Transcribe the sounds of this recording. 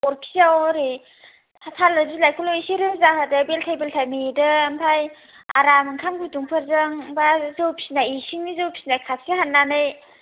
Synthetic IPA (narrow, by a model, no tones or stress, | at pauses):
ɔɾkʰi̥sawɾejʰ | atʰalːɯzilajkʰuloisiɾɯpzaɦadɯbeltʰajbeltʰajmidɯmpʰaj | a̰ɾamɯŋkʰamɡʰuduŋpʰɯɾzɯŋbazɯwpʰi̥snajisiŋnizɯwpʰi̥sinajkʰasiɦanːanɯj